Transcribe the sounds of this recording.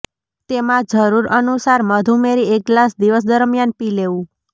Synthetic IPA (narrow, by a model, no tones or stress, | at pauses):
t̪emãd͡ʒəɾuɾənusaɾməd̪ʱumeɾieklasd̪iʋəs̬d̪əɾmjanpileʋũ